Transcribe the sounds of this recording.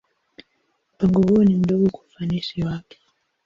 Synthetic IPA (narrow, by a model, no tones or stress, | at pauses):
m̩paŋɡɔhuɔnim̩dɔɡɔkafanisiwakɛ̥